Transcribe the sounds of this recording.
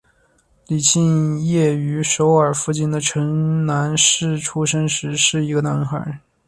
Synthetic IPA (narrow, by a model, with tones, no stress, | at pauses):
li˨˩ɕʰi˥˧njɛ˥˩y˧˥ʂo˧˥ʊə˞˨˩fu˥˧t͡ɕi˥˩nd̪ə˩ʈ͡ʂʰɤ˧˥ŋna˧˥nʂɻ̩˥˩ʈ͡ʂʰu˥ʂə˥nʂɻ̩˧˥ʂɻ̩˥˩i˧˥ɡə˧na˧˥nxə˞˨˧˥